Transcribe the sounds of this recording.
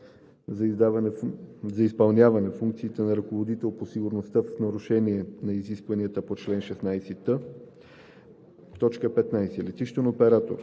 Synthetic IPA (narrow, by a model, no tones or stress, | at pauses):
d̪avnzɐispɐlˠnʲjavɐnɛfuŋkt̪siːt̪ɛnɐɾɐkovod̪it̪ɛlˠposiɡʊɾnost̪əfnɐɾuʃɛniɛnɐiziskvɐniət̪əpot͡ʃlɛnʃɛsnajsɛt̪ə | t̪ɔt͡ʃkəpɛt̪najsɛlɛt̪iʃt̪onopɛɾat̪o̰ɾ